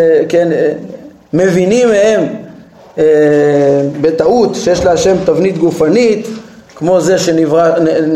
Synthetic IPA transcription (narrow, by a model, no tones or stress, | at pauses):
ken | me̞vinimehe̞m | e | bet̪aut̪ʃejeʃlaaʃe̞mt̪avnit̪ɡufanit̪kmo̞ze̞ʃeniva